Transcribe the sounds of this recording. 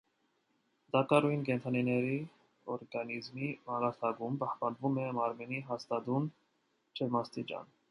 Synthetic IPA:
d̪ɑkɑɾujnkɛnt̪ʰɑninɛɾi | ɔɾɡɑnizmimɑɾɑɾt̪ʰɑɡumpɑhpɑnvumɛmɑɾmɛniɦɑst̪ɑd̪un | t͡ʃʰɛvmɑst̪it͡ʃɑ̰n

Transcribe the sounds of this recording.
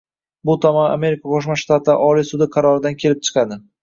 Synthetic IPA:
bʊt̪ʰɒmana̰me̞ɾɪkʰaqʰoʃmaʃt̪at̪ʰɪʔɒlijsʊd̪ɪqʰɑɾɒɾɪd̪ankʲʰe̞lɪp̚t͡ʃʰɨ̥qʰɑd̪ɪ

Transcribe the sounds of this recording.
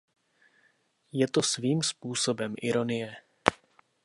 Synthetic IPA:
jɛt̪o̞sviːmspuːso̞bɛmʔɪɾo̞nɪjɛ

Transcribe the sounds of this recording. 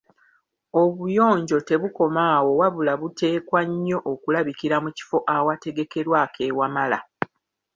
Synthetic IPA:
o̞βujo̞ːɲɟo̞te̞βuko̞maːwo̞waβulaβutʰe̞ːkwaɲːo̞ʔːkulaβikiɾamuci̥fo̞ʔawate̞ɡe̞ke̞ɾwaːke̞ːwamala

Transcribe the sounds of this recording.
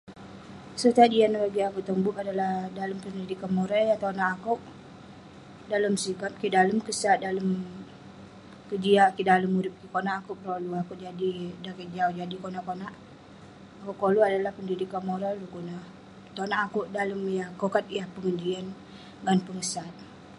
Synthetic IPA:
sət̪ad͡ʒianlaɡiakuʔt̪əmbuʔadalahdaləmpəndidikanmoɾajat̪onaʔakuʔ | daləmsikap̚kidaləmkəsat̪̚daləm | kəd͡ʒiakidaləmːuɾɪp̚kikonaʔakuʔpəɾoluakuʔd͡ʒadidakəd͡ʒaud͡ʒadikonaʔkonaʔ | akuʔkoluadalahpəndidikanmoɾalukuna | t̪onaʔakuʔdaləmjakokat̪̚jahpəŋəd͡ʒian | ɡanpəŋəsat̪̚

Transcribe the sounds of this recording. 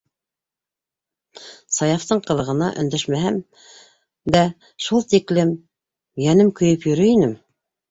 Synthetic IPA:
sɑjɑft̪ɤɴqɤ̆lˠɤ̆ʁɤ̆nɑʔɵ̆nd̪æʃmæɦæm | d̪æ | ʃulˠt̪iklɘm | jænɘmkɵ̆jɘpjɵ̆ɾɵinɘm

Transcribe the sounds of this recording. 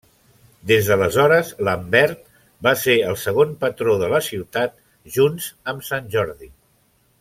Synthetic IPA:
d̪ezðələzɔɾəzləmbɛɾt̪̚ | baseəlˠsəɣ̞onpət̪ɾoðələsiwt̪at̪ | ʒunzəmsanʲʒɔɾði

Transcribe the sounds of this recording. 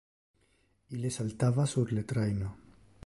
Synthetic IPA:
ilesalt̪aβasuβɾlet̪ɾajno

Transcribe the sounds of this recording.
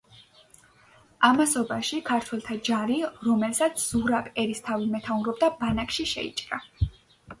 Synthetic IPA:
amasɔbaʃikʰaɾt̪ʰwɛlˠt̪ʰad͡ʒaɾiɾɔmɛlsat̪sʰz̥uɾabɛɾist̪ʰavimɛt̪ʰauɾɔb̚d̪abanakʼʃiʃɛ̰ḭt͡ʃʼɾa

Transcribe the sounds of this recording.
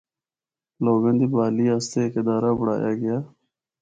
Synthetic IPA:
loːɡə̃nd̪ibaːliaːst̪eked̪aːɾaːbʊɽa̰ːja̰ːɡɐjaː

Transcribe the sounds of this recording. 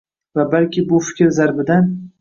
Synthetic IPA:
vabalkʲɪbʊfɪ̥kʲɾzaɾbɪd̪an

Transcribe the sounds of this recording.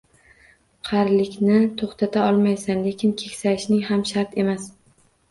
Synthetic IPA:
qʰɑɾlɪkʲnɪt̪ʰoχt̪ʰat̪ʰaɒlˠmajsanlekʲʰɪnkʲʰe̞kʲsaɪʃnɪŋhamʃaɾt̪ʰe̞mas

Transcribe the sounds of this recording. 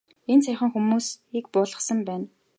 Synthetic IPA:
ent͡sʰæjχə̆ŋxumuːsik̚pʊːɮʁə̆sə̆mpæːn

